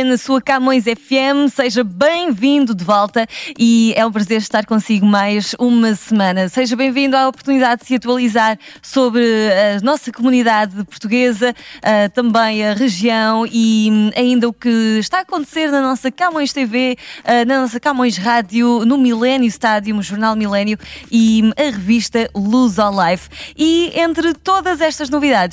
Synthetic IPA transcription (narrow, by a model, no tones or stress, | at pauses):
nɐsuɐkamõj̃zɛfɛmsɐʒɐβɐ̃j̃vĩnd̪ud̪ɨvɔlˠt̪ɐiɛũpɾɐzeɾʃt̪aɾkõsiɣumajʒumɐsɨmɐ̃nɐseʒɐβɐ̃j̃vĩnd̪uaɔpuɾt̪uniðaðd̪sɨɐt̪wɐlˠizaɾsoβɾɨɐnɔsɐkumuniðaðpuɾt̪uɣezɐat̪ɐ̃mbɐ̃j̃ɐʁɨʒiɐ̃w̃iɐĩnd̪ɐukɨʃt̪aːɐkõnt̪seɾnɐnɔsɐkamõj̃ʃt̪evenɐnɔsɐkamõj̃ʃʁaðjunumilˠɛnjuʃt̪aðjuuʒuɾnalˠmilˠɛnjuiɐʁɨviʃt̪ɐlˠuzɔlˠajfiẽnt̪ɾɨt̪oðɐzɛʃt̪ɐʒnuviðað